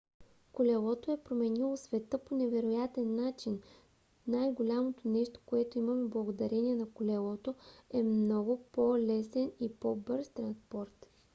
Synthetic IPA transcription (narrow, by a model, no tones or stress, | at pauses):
kolʲɛlˠɔt̪oɛpɾomɛnilˠosvɛt̪ɤponɛvɛɾojat̪ɛnːat͡ʃin | najɡolʲamot̪onɛʃt̪o̥koɛt̪oimɐmɛblˠɐɡod̪ɐɾɛniɛnɐkolʲɛlˠɔt̪oɛmnɔɡʊpolɛsɛnipobɤɾst̪ɾɐnspɔɾt̪